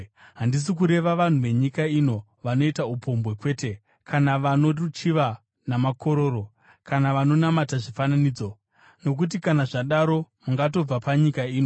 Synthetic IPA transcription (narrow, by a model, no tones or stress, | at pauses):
ɦandis̬ik̬uɾe̞ʋaʋan̤uʋe̞ɲikaino̞ | ʋano̞itaupʰo̞mbwe̞kwe̞ːte | kʰanaʋano̞ot͡ʃiʋa | namako̞ɾo̞ːɾo̞ | kanaʋano̞namataʐifananiːd͡zo̞ | no̞k̬ut̬ikanaʐaɗaɾo̞muŋɡat̬o̞b͡vapaɲikaiːno